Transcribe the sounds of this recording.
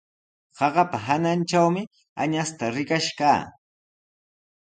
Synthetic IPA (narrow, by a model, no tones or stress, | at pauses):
ɢɑɢɑpaɦananʈ͡ʂawmɪ | a̰ɲast̪aɾɪkaʃkaː